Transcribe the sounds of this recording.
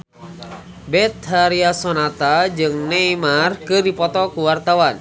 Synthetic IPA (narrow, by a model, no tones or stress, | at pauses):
bɛt̪̚haɾiasɔnat̪ad͡ʒɨŋneimarkɨrdipɔt̪ɔkuwart̪awan